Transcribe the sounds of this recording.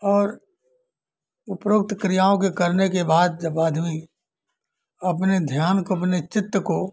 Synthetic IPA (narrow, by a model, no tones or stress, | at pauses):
ɔːɾ | ʊpɾʊk̚t̪kɾijaːõkekɐɾnekebaːd̪̚d͡ʒɐbaːd̪ʱɦʊi | ɐp̬ned̪ʱjaːnkoɐpnet͡ʃɪt̪ːəko